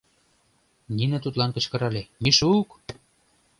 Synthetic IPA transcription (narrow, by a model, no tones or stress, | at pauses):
ninə̆t̪ut̪lɑnkə̆t͡ɕkɤ̆ɾɑlʲemiʃuːk